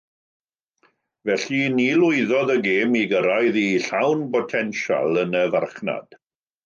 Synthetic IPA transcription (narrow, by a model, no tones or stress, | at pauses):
vɛɬinilˠʊɨðɔðəɡeːmiɡəɾajðiɬawnpɔtʰɛnʃa̰lˠənəvarχna̰d̥